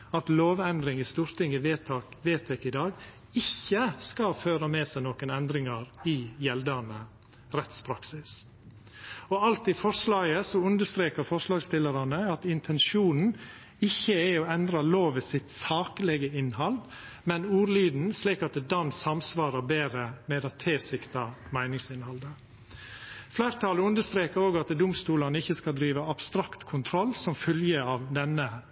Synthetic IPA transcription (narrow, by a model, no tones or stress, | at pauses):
ɑt̪loːʋɛnd̪ɾɪŋɪst̪uːɾt̪ɪŋəʋ̪ʋeːt̪ʰɛkɪd̪ɑːɡ | ɪçːəskɑføːɾəmɛsæɪnoːkənɛnd̪ɾɪŋɑɾɪjɛld̪ənə | ɾɛt̪spʰɾɑksɪs | ɔɑlt̪ɪfɔɾʂlɑːɡəsɔʉnd̪əst̪ɾeːkəɾfɔʂlɑːɡst̪ɪlːəɾɑnəɑt̪ɪnt̪ʰɛnʃuːnn̩ | ɪçːəæɔɛnd̪ɾɑloːʋɪsɪt̪sɑːkəlɛɡəɪnhɑld̪ | mɛnuːɾliːd̪n̩sliːkɑt̪̚d̪ɛd̪ɑnsɑmsʋɑːɾəbeːɾəmɛd̪ɑt̪ʰeːsɪkt̪ɑmæɪnɪŋsɪnhɑld̪ə | flæɪɾt̪ʰɑːləʉnd̪əʂt̪ɾeːkəɾoːɡɑt̪d̪ʊmst̪uːlɑnəɪçːəskɑld̪ɾiːʋəɑb̥st̪ɾɑkt̪kʰʊnt̪ʰɾɔlːsɔmfœljəɑːʋd̪ɛnə